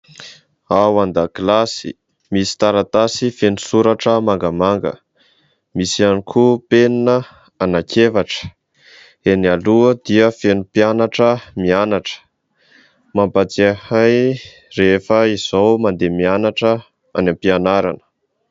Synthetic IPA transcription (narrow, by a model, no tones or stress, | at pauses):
awand̪aklasḭ | misi̥t̪aɾat̪asifenusuɾaʈ͡ʂəmaŋɡəmaŋɡə̰ | misianikʰupeninə | anakʰevaʈ͡ʂə̥ | enialuəd̪iəfenupianaʈ͡ʂəmianaʈ͡ʂə̥ | mampat͡sihaj | refəiz̥owmand̪emianaʈ͡ʂə | a̰nampianaɾa̰nə̥